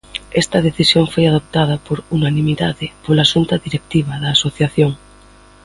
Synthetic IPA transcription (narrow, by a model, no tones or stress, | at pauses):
est̪aðeθisjoɱfojaðop̚t̪að̞apoɾunanĩmiðaðepolasunt̪aðiɾek̚t̪iβ̞aðaːsoθjaθjoŋ